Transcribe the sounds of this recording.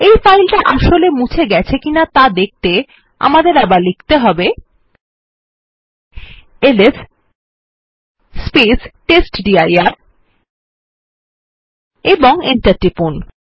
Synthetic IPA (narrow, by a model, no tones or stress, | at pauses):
ejfajlʈaʔaʃolemut͡ɕʰeɡɛt͡ɕʰekinat̪ad̪ek̚ʰt̪e | a̰mad̪eɾabaɾlikʰt̪eɦɔbe | eles | spesʈesʈɖiajaɾ | eboŋenʈaʈɾipun